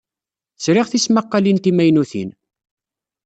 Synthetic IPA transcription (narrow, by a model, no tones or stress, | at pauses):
θsɾɪʁθismaqːalint̪imæjnuθḭn